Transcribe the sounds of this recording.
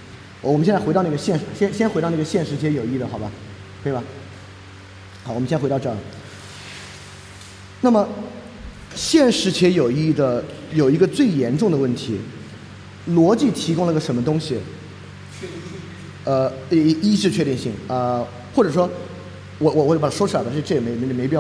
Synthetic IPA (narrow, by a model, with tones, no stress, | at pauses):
wɔ˨˩m˦ɕɛ˥˧nt͡sxɾɑ˥˧ʊn˥˩ə˧ɕjɛ˥˩nʂɻ̩˧˥ɕjɛ˥nɕjɛ˥nxe˧˥ɑ˥˧na˥˩ɡə˧ɕjɛ˥˩nʂɻ̩˧˥t͡ɕʰjɛ˧˥jo˨˩ʊi˥˩d̪ə˩xɑ˨˩ʊbɐ˦ | t̪we˥˩ba˨˩ | xʊwɔ˨mə˥˩xt̪ʈ͡ʂɤ˥˩ | na˥˩mə˩ | ɕjɛ˥˩nʂɻ̩˧˥t͡ɕʰjɛ˧˥jo˨˩ʊi˥˩d̪ə˩jo˨˩ʊi˧˥ɡə˧t͡swe˥˩ɪjɛ˧˥nʈ͡ʂʊ˥˩ŋd̪ə˩wə˥˩nt̪ʰi˧˥ | lwɔ˧˥t͡ɕi˥˩t̪ʰi˧˥kʊ˥ŋlə˧˥˩ə˩ʂə˧˥nmə˧t̪ʊ˥ŋɕi˨ | ə˧˥i˥ʈ͡ʂɻ̩˥˧t͡ɕʰɥɛ˥˧i˥˧ŋɕi˥˩ŋə˧ | xwɔ˥˩ʈ͡ʂɤ˨˩ʂwɔ˥ | wɔ˨˩wɔ˨˩wɔ˨˩t͡ɕpa˩a˩ʂwɔ˥t͡ɕ̩ʰ˧˩la˥˩ʂʈ͡ʂɤ˥˩jɛ˨˩me˧˥ɪ˩m˧˥˩me˧˥pi˥˩˥